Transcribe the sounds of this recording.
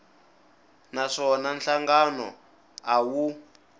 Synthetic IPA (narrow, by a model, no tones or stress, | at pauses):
naʂɔnanɬaŋɡanɔ̰ | awu